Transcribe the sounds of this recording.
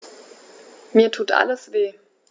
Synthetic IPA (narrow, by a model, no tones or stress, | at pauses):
miːɐtʰuːtʔa̰ləsv̥eː